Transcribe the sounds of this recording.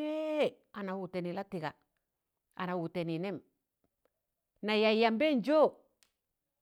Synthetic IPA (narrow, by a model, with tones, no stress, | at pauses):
e˦˨ | a˨na˨wu˨te˨ni˨la˦ti˨ɡa˨ | a̰˨na˨wu˨te˨ni˨ne˦m | na˨ja˨ja˨mbe˦nd͡ʒo˦